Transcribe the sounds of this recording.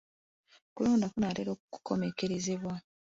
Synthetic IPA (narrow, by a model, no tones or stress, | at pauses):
kuloːndakunaɾeɾo̞ːkuku̥ko̞me̞keɾezeβwa